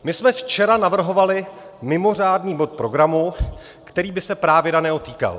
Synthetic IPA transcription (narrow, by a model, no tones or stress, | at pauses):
mɪsmɛft͡ʃɛɾanavr̩ɦo̞valɪmɪmo̞r̝aːdniːbo̞t̪̚pɾo̞ɡɾamu | kt̪ɛɾiːbɪsɛpɾaːvjɛdanɛːɦot̪iːka̰l